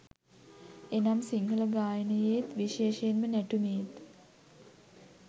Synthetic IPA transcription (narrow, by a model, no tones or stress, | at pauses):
enamsiŋɡələɡaːjənəjeːt̪ʋiʃeːʃəjenmənæʈumeːt̪